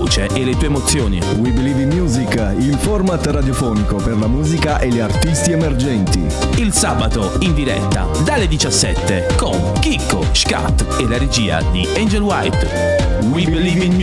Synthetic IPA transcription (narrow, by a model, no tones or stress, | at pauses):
uːt͡ʃeʔelet̪uːemot̪sːjoːnḭwiblivimjuːzik | ilfɔrmat̪rad̪jofɔːnikoperlamuːzikaʔeliart̪ist̪iemerd͡ʒɛnt̪ḭ | ilsabat̪oind̪iɾɛ̰t̪ːa̰d̪alːed̪it͡ʃasːɛ̰t̪ːekoŋ | kikːoʃka̰t̪ːelaɾed͡ʒiːa̰d̪iɛnd͡ʒelwajt̪ | wibli